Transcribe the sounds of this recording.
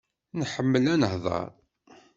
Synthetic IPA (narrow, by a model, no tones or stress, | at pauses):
nħəmːəlænəhðˤɑ̰ɾˤ